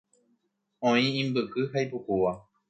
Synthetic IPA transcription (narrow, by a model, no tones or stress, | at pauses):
õĩĩmbɨkɨɦajpukuʋa